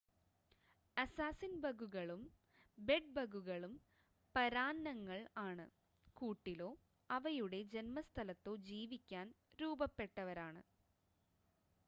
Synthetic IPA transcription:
ɐsaːsinbɐɣuɣɐɭum | be̞ɖ̚bɐɣuɣɐɭum | pɐɾaːnːɐŋːɐɭaːɳɨ̰ | kuːʈːilo̞ː | ɐʋɐjuɽe̞d͡ʑenmɐst̪ʰɐlɐt̪ːo̞ːd͡ʑiːʋikʲːaːn | ɾuːbɐpːe̞ʈːɐʋɐɾaːɳɨ̰

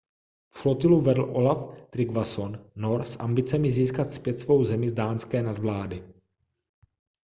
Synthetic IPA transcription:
flot̪ɪluvɛdl̩ʔo̞laft̪ɾɪɡvasonːoɾsʔa̰mbɪt͡sɛmɪziːskat̪spjɛt̪svo̞wzɛmɪzdaːnskɛːnadvlaːdɪ

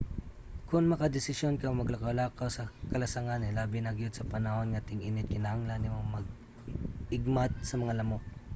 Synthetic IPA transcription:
kʊŋmɐkad̪ɪsɪsjonkomɐɡlɐkɐlakawsɐkɐlɐsaŋanɛlaːbɪnaɡjod̪sɐpɐnɐho̞nŋat̪ɪŋɪnɪt̪̚kɪnɐhaŋlanːɪmomɐɡ̚ | ʔɪɡmat̪̚sɐmɐŋalɐmo

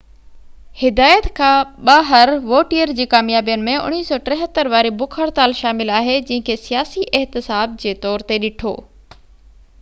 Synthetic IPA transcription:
hɪd̪aːjət̪kʰãːɓaːɦəɾʋoːʈiəɾd͡ʑiːkaːmjaːbijənɪ̆mẽʊ̰ɽ̃iːsɔːʈɾɛ̃ɦət̪ːəɾʋaːɾebʊkʰəɾt̪aːlʃaːmɪlaːɦed͡ʑɐ̃ɦə̃kʰesijaːsiʔɛɦt̪ɪsaːb̚d͡ʑeːt̪ɔːɾt̪eɗɪʈʰo̰ː

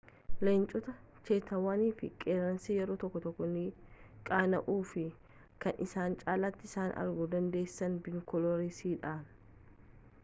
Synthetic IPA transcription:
lent͡ʃʼɔt̪ɐ | t͡ʃeːt̪ɐwaːniːfɪkʼeːɾɐnsiːjɛɾoːt̪ɔkːɔt̪ɔkːɔnɪkʼaːnɐʔuːfɪ | kɐnɪsaːnt͡ʃʼaːlɐt̪ːɪɪsaːnʔɐ̰ɾɡud̪ɐnd̪e̞ːsːɐnbɪnkɔlɔɾisiːᶑaːn

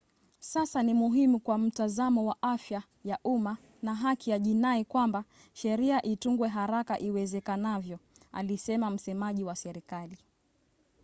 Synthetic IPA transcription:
sasanimuɦimukwam̩tazamɔwaʔafja | jaʔuma | naɦakijaʄinaikwamba | ʃɛɾiaʔituŋɡwɛɦaɾakaʔiwɛzɛkanavjɔa̰lisɛmam̩sɛmaʄiwasɛɾikali

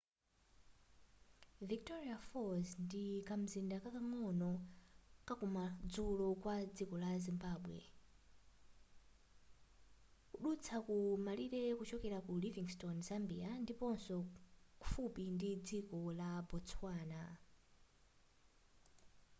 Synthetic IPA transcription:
viktɔɾiafɔzndikam̩zindakakaŋɔnɔ | kakumad͡zulɔkwad͡zikɔlazimbaːɓwɛ̰ | kuɗut͡sʰakumaliɾɛkut͡ʃɔkɛɾakuliviŋstɔnz̥ambiandipɔnsɔkufupindid͡zikɔlabɔt͡swaːna

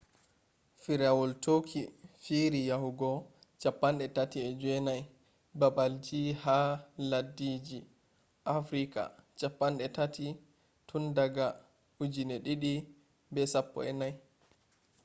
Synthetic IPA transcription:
fiɾawɔltʰokʰifiɾijahuɡɔ | t͡ʃapːanɗɛtatiɛd͡ʒwɛnaj | babald͡ʒihaladːid͡ʒi | ʔafɾika̰t͡ʃapːanɗɛtati | tʰundaɡa | ud͡ʒinɛɗiɗi | bɛsapːɔ̰ɛnaj

